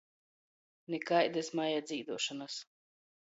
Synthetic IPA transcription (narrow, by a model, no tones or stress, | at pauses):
nekajd̪ɛsmajad̪zʲiːd̪uɔʃanas